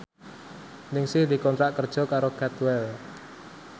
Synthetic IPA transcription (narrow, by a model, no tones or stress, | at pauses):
nɪŋsɪhd̪i̤kɔnt̪ɾaʔkərd̥ʒ̥ɔ̤kaɾokɛt̪wɛl